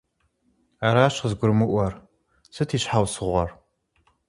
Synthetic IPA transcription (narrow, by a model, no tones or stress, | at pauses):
aːɾaːɕəzɡʷʊɾmɨʔʷɐr | sʰɨtʰiːɕħawsɨʁʷɐr